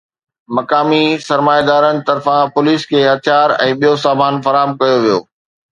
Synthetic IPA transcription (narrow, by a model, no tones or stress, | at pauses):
mɐkaːmisɐɾmaːjed̪aːɾənɪ̆t̪ɐɾfãpʊliːskʰeːɦɐt̪ʰijaːɾɛ̃ːɓijosaːmaːnfɐɾaːɦəmkɐjoʋijo̰ː